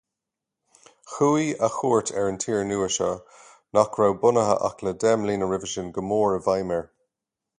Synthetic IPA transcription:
xuːiaxuːɹtʰɛɹəntʰiːɹnuːəʃɔ | nɔkʰɹawbʊnəɦə̰ʔa̰kʰlədɛmliːnəɹɪvəʃənɡəmoːɹəvajmɛɹ

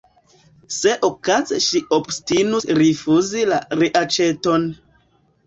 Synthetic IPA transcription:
se̞ʔokazḛʃiʔobstinusɾifuzilaɾiʔat͡ʃe̞to̞n

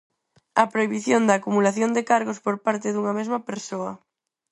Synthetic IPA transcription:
ɐpɾoiβiθjond̪aːkumulaθjond̪ɪkaɾɣospoɾpaɾt̪ɪðuŋɐmezmɐpeɾsoɐ

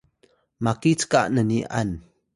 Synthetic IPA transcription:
makit͡skaʔnəniʔa̰n

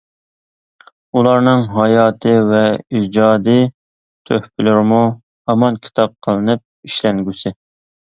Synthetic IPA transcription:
ulˠɑɾnɨŋɦɑjɑːt̪ʰɨvɛid͡ʒɑːd̪ɨ | t̪ʰøhpʰɪlɪɾɪmu | ɑmɑnkʲʰi̥t̪ʰɑp̚qʰəlˠɨnɨp̚iʃlɛŋɡʲysɪ

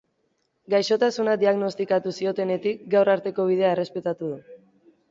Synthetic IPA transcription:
ɡajʃo̞t̪asunad̪iaɣno̞st̪ikat̪usio̞t̪e̞ne̞t̪ik̚ɡawraɾt̪e̞ko̞β̞ið̞eaere̞spe̞t̪at̪uð̞u

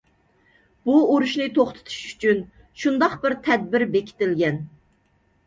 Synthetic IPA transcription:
b̥uoɾuʃnɨt̪ʰoχt̪ʰɨ̥t̪ʰu̥ʃy̥t͡ʃʰyn | ʃund̪ɑqbɪɾt̪ʰɛd̪̚bɪɾbekʲʰi̥t̪ɪlɡʲɛn

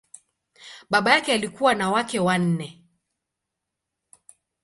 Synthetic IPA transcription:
ɓaɓajakɛalikuwanawakɛwan̩nɛ

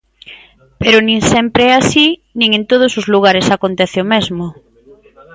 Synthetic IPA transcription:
peɾʊnĩŋsɛmpɾeɛasinĩŋẽnt̪oð̞ʊsozluɣ̞aɾesakont̪ɛθeomezmo

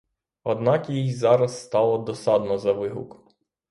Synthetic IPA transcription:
ɔd̪nɑkjijzɑɾɐsːt̪ɑlˠɔd̪ɔsɑd̪nɔzɐʋɪɦʊ̰k

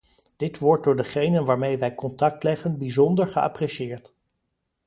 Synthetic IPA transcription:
d̥ɪtʋɔɹt̚dʊːɹdəχejnənʋaːɹmejʋɛjkɔntɑk̚tlɛχənbizɔndəɹχəɑ̰prɛʃɪːɹt

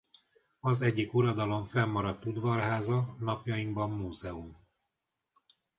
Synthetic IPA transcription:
ɒzɛɟːikuɾɒd̪ɒlo̞ɱfɛmːɒɾɒt̪ːud̪ʋɒrɦaːzɒnɒpjɒjiŋɡbɒmːuːzɛum

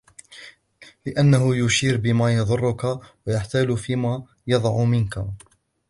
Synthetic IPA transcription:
lɪʔanːaɦʊjʊʃiːɾbɪmaːjɑðˤʊrˤːʊkawajaħt̪aːlʊfiːmaː | jɑðˤʕmɪnka̰

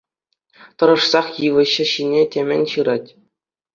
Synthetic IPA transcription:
t̪ɤ̆ɾɤ̆ʂsɑχjɯʋɤ̆ɕɘ̆ɕinʲetʲemʲɘ̆nʲɕɯɾɑtʲ

